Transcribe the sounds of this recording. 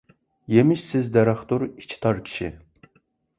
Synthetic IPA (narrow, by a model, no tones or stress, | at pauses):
jemiʃsɪzd̪ɛɾɑχt̪oɾi̥t͡ʃʰi̥t̪ʰɑɾkʲʰi̥ʃḭ